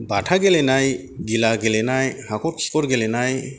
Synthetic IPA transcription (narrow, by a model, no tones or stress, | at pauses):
baʈʰaɡelɛnaj | ɡilaɡelɛnajhakɔɾkʰi̥kɔɾɡelɛnaj